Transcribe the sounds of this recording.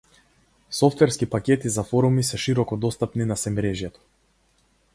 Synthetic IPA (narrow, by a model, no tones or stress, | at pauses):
sɔft̪vɛɾskipakʲɛt̪izafɔɾumisɛʃiɾɔkɔd̪ɔst̪apninasɛmɾɛʒjɛt̪ɔ̥